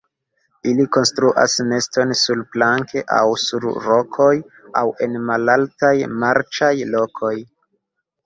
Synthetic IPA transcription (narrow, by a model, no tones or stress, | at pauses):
iliko̞nstɾuʔa̰sne̞sto̞nsulplaŋke̞ʔa̰wsuɾɾo̞kʰo̞j | awe̞nmalaltajmaɾt͡ʃajlo̞kʰo̞j